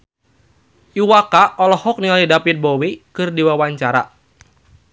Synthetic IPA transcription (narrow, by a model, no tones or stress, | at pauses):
ʔiwakaʔɔlɔhɔk̚nialidapit̪̚bowikɨrdiwawaɲt͡ʃaɾa̰